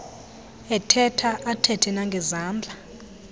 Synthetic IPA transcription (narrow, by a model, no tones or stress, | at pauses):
ɛtʰɛtʰaʔatʰɛtʰɛnaŋɡʱɛzaːnd͡ɮʱa